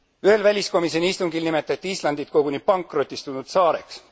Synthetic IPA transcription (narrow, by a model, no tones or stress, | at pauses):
yhe̞lvælʲisko̞miseniist̪uŋɡ̥ilnime̞t̪ːˑɑt̪ːiislɑnd̪it̪̚ko̞ɡ̥uni̥pɑŋkːˑro̞t̪ʲːˑist̪unud̪̥sɑːɾe̞̰ks